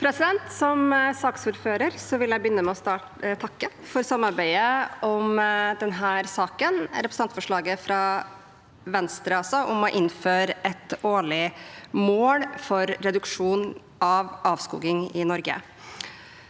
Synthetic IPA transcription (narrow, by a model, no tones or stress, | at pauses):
pʰɾɛsɪd̪ɛnt̪sɔmsɑːksuːɾføːɾəɾsɔʋɪljæɪbəjʏnːəmɛɔst̪ɑʈt̪ʰɑkːə | fɔɾsɑmːɑɾbæɪəɔmd̪ɛnɦæːɾsɑːkənɾɛpʰɾəsɑnt̪fɔʂɭɑːɡəfɾɑ | ʋɛnst̪ɾəɑsɔʔɔmɔʔɪnføːɾʔɛt̪oːɭɪmoːlfɔɾːɛd̪ʉkʂuːn | ʔɑʋɑːʋskṵːɡɪŋɪnɔɾɡə̰